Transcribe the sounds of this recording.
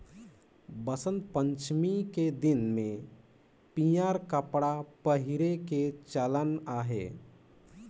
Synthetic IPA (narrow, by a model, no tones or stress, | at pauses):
bəsə̃nt̪̚pə̃ɲt͡ʃmiked̪ɪnmẽ | pijaːɾkəpɽapəɦɪɾeket͡ʃələnaːɦḛː